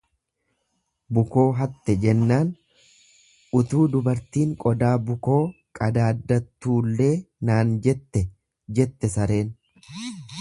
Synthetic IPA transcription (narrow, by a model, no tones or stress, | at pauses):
bʊko̞ːɦɐt̪ːɛd͡ʒɛnːaːn | ʔʊt̪uːd̪ʊbɐɾt̪iːŋkʼɔd̪aːbʊko̞ː | kʼɐd̪aːd̪ːɐt̪ːuːlːe̞ːnaːnd͡ʒɛt̪ːɛ | d͡ʒɛt̪ːɛsɐɾe̞ːn